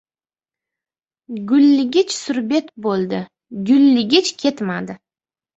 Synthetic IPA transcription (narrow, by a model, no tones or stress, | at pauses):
ɡʊlːɪɡʲɪt͡ʃsʊɾbe̞t̪bolˠd̪ɪ | ɡʊlːɪɡʲɪt͡ʃkʲʰe̞t̪mad̪ɪ